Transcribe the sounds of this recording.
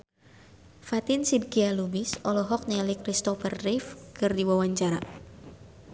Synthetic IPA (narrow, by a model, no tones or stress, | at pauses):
fat̪ɪnsid̚kialubɪsɔlɔɦɔk̚nɛlikɾist̪ɔfərːifkɨrdiwawaɲt͡ʃaɾa